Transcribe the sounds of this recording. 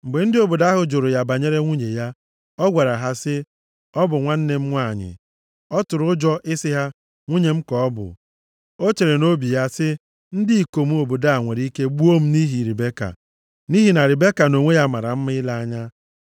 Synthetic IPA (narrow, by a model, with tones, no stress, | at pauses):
m̩˨ɡ͡be˨n̩˦dɪ˦o˨bo˨da˦ɦʊ˨d͡ʒo˨ɾo˨ja˨ba˨ɲe˦ɾe˦ŋʷu˦ɲe˨ja˦ | ɔ˦ɡʷa˨ɾa˨ɦa˦sɪ˦ | ɔ˦bʊ˨ŋʷa˦n̩˦ne˦m̩˦ŋʷa˦˨ɲɪ̰˨ | ɔ˦tʊ˨ɾʊ˦d͡ʒɔ˦ʔɪ˦sɪ˦ɦa˦ | ŋʷu˦ɲe˨m̩˦kɔ˨ɔ˦bʊ̰˨ | o˦t͡ʃe˨ɾe˨no˦bi˨ja˦sɪ˦ | n̩˦dɪ˦i˨ko˨m˦o˨bo˨da˦a˨ŋʷe˨ɾi˦ke˦ɡ͡bu˦o˦m̩˦ni˦ɦi˨ɾi˨be˦ka̰˨ | ni˦ɦi˨na˨ɾɪ˨be˦ka˨no˨ŋʷe˦ja˦ma˨ɾa̰˨m̩˦mɪ˦la˦a˦ɲa˦